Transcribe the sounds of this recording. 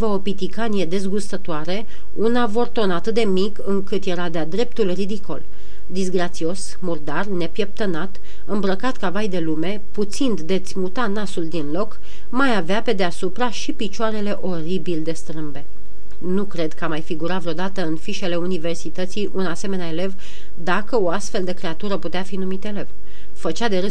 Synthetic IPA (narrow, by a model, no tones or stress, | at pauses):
vəo̞pit̪ikanije̞d̪e̞zɡust̪ət̪oaɾe | unavo̞rt̪o̞nat̪ɨt̪̚d̪e̞mikɨŋkɨt̪je̞ɾad̪ead̪ɾe̞p̚t̪ulrid̪iko̞̰l | d̪izɡɾat̪sio̞s | murd̪arne̞pje̞p̚t̪ənat̪ | ɨmbɾəkat̪kavajd̪e̞lume̞put̪sind̪d̪e̞t̪sʲmut̪anasuld̪inlo̞k | majaveape̞d̪easupɾaʃipit͡ʃoaɾe̞le̞ʔo̞ɾibild̪e̞st̪ɾɨmbe̞ | nukɾe̞d̪kəamajfiɡuɾavɾeo̞d̪at̪əɨnfiʃe̞le̞unive̞rsit̪ət̪sijʔunase̞me̞neae̞le̞v | d̪akəo̞ast̪fe̞ld̪e̞kɾe̞at̪uɾəput̪eafinumit̪e̞le̞v | fət͡ʃad̪e̞ɾe